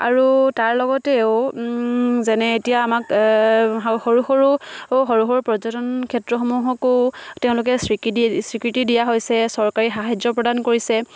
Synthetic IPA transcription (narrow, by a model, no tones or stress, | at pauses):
a̰ɹutaɹlɔɡɔtɛʊ | zɛnɛetijaːmak | xoɹuxoɹuɦoɹuxɔɹupɹɔzɔtɔnkʰɛtɹɔxomuɦɔkotɛʊ̃lʊk̬ɛsɹiksɹikɹitidijaɦojsɛsɔɹkaɹixaɦajd͡ʒɔpɹɔdankoɹisɛ